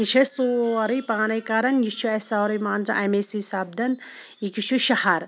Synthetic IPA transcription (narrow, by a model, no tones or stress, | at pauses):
it͡ʃʰɐsuːoɐɾijpaːnɐjkɐɾɐnjit͡ʃʰuɐsaːwɾɐjmaːnzɐ̰ʔɐmesisaːb̚d̪ɐn | ikit͡ʃʰuʃɐhɐɾ